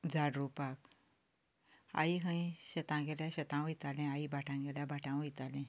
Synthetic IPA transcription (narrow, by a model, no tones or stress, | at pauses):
d͡zaɽɾupak | a̰iɦə̃ĩɕət̪ãŋɡɛljaɕət̪ãw̃it̪alɛ̃aibaʈʰãŋɡɛljabaʈʰãw̃it̪alɛ̃